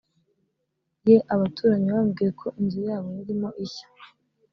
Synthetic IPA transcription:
jeʔaβatuːɾaɲiβaːmɡiːjekʰo̞ʔiɲɟuɾijaːβojiɾimo̞ʔiçḁ

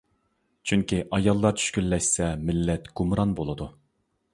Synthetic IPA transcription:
t͡ʃʰyŋkʲiʔɑjɑlˠːɑɾt͡ʃʰy̥ʃkʲylːɛʃsɛmɪlːɛt̪ɡ̥umɾɑnbolˠɨd̪u

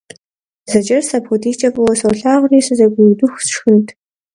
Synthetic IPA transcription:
zɐd͡ʒɐrsapʰɔdiːt͡ʃʼɐpʼɨwɐsɐwɬaːʁʷriːsɨzɐɡʷʊjdʊxʷsʃxɨntʰ

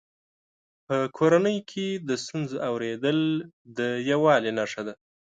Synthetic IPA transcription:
pəkʰoɾanəjkʰed̪əst̪unzoʔawɾed̪əl | d̪əjawɑlenaʂad̪a

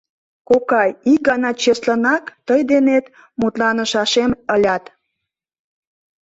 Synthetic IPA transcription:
kokɑjik̚ɡɑnɑt͡ɕeslənɑkt̪əjd̪enet̪ | mut̪lɑnəʃɑʃeməlʲɑt̪

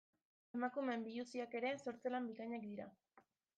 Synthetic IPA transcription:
e̞makume̞mbiʎusiake̞ɾe̞so̞ɾt͡selambikaɲak̚d̪iɾa

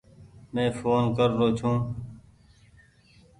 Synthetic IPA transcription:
mẽːfoːnkəɾːoːt͡ʃʰũː

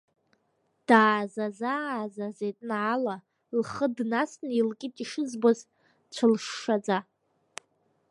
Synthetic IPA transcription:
d̥aːzazazazetʼnʕaːla | lχədnasnilkʲʼitʼiʂɨzboz | t͡ɕʷʰɨlʂːad͡za

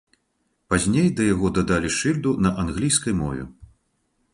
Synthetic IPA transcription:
pazʲnʲejd̪ɐjaɣɔd̪ɐd̪alʲiʂɨlʲd̪unɐʔanɣlʲijskɐjmɔvʲɛ̰

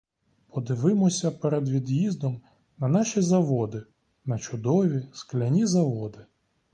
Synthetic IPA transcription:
pʰɔd̪ɪʋɪmɔsʲɐpɛɾed̪ʋʲid̪jizd̪ɔm | nɐnɑʃʲizɐʋɔd̪ɪ | nɐt͡ʃʊd̪ɔʋʲisklʲɐnʲizɐʋɔd̪ɪ

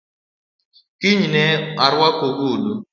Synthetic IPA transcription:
kiɲnɛaɾwakoɡulu

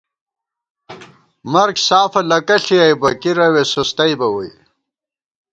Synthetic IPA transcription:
mɐɾɡsaːfɐlɐkɐɬijajbɐkiɾɐwesust̪ɐjbɐwɐj

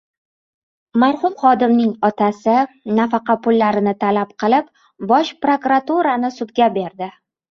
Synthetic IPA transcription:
maɾχʊmχɒd̪ɪmnɪŋɒt̪ʰasɪ | nafɑqɑpʊlːaɾɪnɪt̪ʰalap̚qʰɨlɪp̚ | bɒʃpɾokuɾat̪uɾanɪsʊd̪ɡʲabe̞ɾd̪ɪ

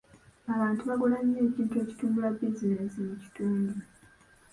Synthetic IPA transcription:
aβaːntuβaɡulaɲːeːciːntue̞ːci̥tuːmbulabizine̞simuci̥tuːndu

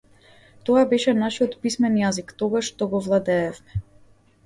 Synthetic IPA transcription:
t̪ɔabɛʃɛnaʃijɔt̪pismɛnjazikt̪ɔɡaʃt̪ɔɡɔvlˠad̪ɛːfmɛ

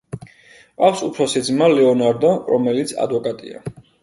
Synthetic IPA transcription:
afsupʰɾɔsid̪zmalɛɔnaɾd̪ɔɾɔmɛlit̪sʰa̰d̪vɔkʼat̪ʼḭa̰

